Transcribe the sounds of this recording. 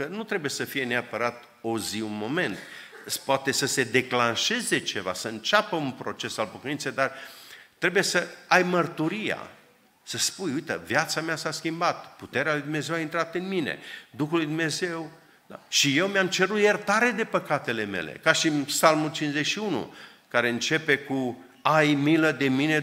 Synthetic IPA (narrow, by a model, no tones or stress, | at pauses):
kənut̪ɾe̞bujesəfije̞neapəɾat̪ | oziunmo̞me̞nt̪ | spoat̪e̞səse̞d̪e̞klanʃe̞ze̞t͡ʃe̞va̰səɨnt͡ʃapəunpɾo̞t͡ʃe̞salpokənint̪sejd̪art̪ɾe̞buje̞səajmərt̪uɾija̰ | səspujujt̪əvjat̪sameasaskʲimbat̪put̪e̞ɾealujd̪umne̞zewaint̪ɾat̪ɨnminḛd̪uxulːujd̪umne̞ze̞w | d̪a̰ʃije̞wmeamt͡ʃeɾut̪jert̪aɾe̞d̪e̞pəkat̪e̞le̞me̞̰lḛkaʃinpsalmult͡ʃinzekʃiunṵ | kaɾe̞ɨnt͡ʃe̞pe̞ku | ajmiləd̪e̞mine̞